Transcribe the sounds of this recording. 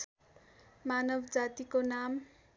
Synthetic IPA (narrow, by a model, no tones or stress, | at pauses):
manʌbʱd͡zat̪ikonam